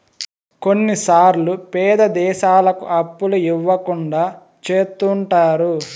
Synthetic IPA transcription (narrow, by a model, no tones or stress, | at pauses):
konːisaːɾlupɛːd̪ɐd̪ɛːʃaːlɐkṵʔɐpːuluiʋːɐkuɳɖaː | t͡ʃeːt̪ːuɳʈaːɾu